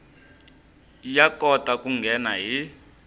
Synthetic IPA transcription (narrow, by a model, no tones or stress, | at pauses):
jakɔtʼakʼuŋɡʱɛnaɦi